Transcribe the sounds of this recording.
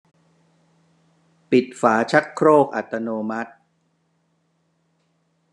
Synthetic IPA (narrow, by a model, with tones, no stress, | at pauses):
pi˨˩t̪̚faː˩˦t͡ɕʰa˦˥t̪̚kʰɾoː˥˩k̚ʔa̰˨˩t̪ːa˧noː˧ma˦˥t̪̚